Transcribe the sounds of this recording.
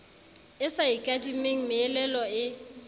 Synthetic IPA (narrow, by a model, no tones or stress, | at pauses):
ɪsaikʼadimeŋ̩mɪːlɛlɔɪ